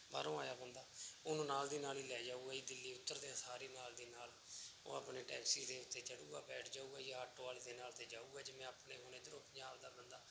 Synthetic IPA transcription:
ba̰ːɾõːaːjaːpənd̪aːʊnũːnaːld̪iːnaːliːlɛːd͡ʒaːuːɛːiːd̪ɪlːiːʊt̪ːəɾd̪eãːsaːɾiːnaːld̪iːnaːl | o̰ːa̰pneːʈɛːksiːd̪eːʊt̪ːeːt͡ʃəɽuːɡa̰ːbɛːʈʰd͡ʒaːuːɡɛːjaːɦəʈːaːled̪eːnaːlt̪eːd͡ʒaːuːɡɛːd͡ʒemɛ̃ːapneːɦoːneːd̪ɾopʰɲaːld̪aːd̪ənd̪aː

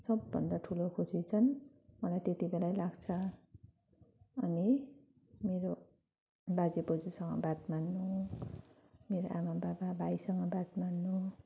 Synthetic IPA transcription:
sʌbːʌ̰nd̪aʈʰulokʰusit͡sʰʌn | mʌlajt̪et̪ibelajlaɡt͡sʰʌ | ʌni | meɾo | bad͡zipod͡zusʌŋɡʌ̰bat̪manːu | meɾoʔamabababʱajsʌŋɡʌbat̪manːu

